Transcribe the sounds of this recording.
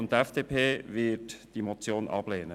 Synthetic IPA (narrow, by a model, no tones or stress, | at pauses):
ʊntɛfd̥eːpʰeːvɪɐtd̥iːmot͡sjoːnʔɑ̰b̥leːnə